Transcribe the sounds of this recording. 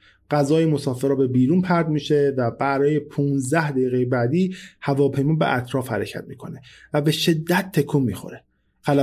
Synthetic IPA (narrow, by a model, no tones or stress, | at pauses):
ɢ̥æzɒːjemo̞sɒːfeɾɒːbe̞biːɾuːnpʰæɾd̪miːʃe̞væbæɾɒːje̞pʰuːnzd̪æhd̪eiːɣejebæːd̪iːhævɒːpʰe̞jmɒːbḛʔæ̰t̪ʰɾɒːfhæ̰ɾecʰæ̰t̪̚miːkʰo̞nevæbe̞ʃe̞d̪ːæt̪ʰːekʰomːiːxo̞̰ɾe | xæl